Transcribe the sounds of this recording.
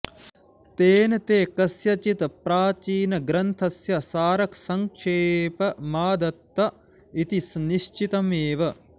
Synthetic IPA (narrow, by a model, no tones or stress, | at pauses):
t̪eːnɐt̪eːkɐsjɐt͡ʃit̪pɾaːt͡ʃiːnɐɡɾɐnt̪ʰɐsjɐsaːɾɐksɐŋkʂeːpɐmaːd̪ɐt̪ːɐ | it̪isniʃt͡ʃit̪ɐmeːʋɐ